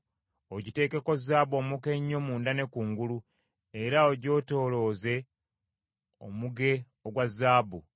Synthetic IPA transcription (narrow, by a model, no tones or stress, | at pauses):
o̞ɟite̞ːke̞ko̞zːaːbo̞ːmuke̞ɲːo̞muːndane̞kuːŋɡulu | eɾao̞ɟo̞ːto̞ːlo̞ːze̞ | o̰muɡe̞ | oɡwazːaːbu